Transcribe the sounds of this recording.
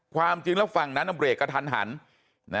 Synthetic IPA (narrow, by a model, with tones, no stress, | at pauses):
kʰwaː˧mt͡ɕi˧ŋlɛ˦˥fa˨˩ŋna˦˥nʔa˧mɾeː˨˩t̚kːa˧t̪ʰa˧nɦa̰˩˦n | na˦˥